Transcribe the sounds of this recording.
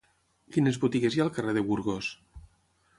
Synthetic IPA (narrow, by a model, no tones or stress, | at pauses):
kinezβut̪iɣezjalˠkareðeβuɾɣos